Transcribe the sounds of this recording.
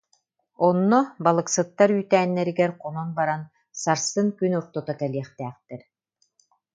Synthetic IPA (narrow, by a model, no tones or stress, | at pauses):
ɔnːɔbalˠɯksɯt̪ːaɾyːt̪æːnːɛɾiɡɛɾqɔnɔnbaɾan | saɾsɯŋkynuɾt̪ɔt̪akɛliɛχt̪æːχt̪ɛɾ